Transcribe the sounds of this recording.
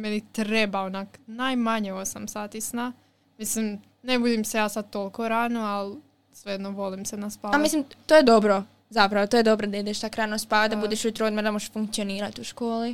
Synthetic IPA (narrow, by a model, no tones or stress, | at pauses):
menit̪ɾebaonaknajmaɲeosamsaːt̪isna | mislim | nebud̪imse̞jaːsad̪̚t̪olkoɾanoal | sʋejed̪noʋo̞limsenaspaamislimt̪ojed̪o̞bɾo | zapɾaʋot̪oːjed̪o̞bɾod̪aid̪eʃt̪akɾaːnospaʋad̪abud̪eʃujet̪ɾod̪meɾd̪amoʒʃfuŋkt̪sioniːɾat̪uʃkoːli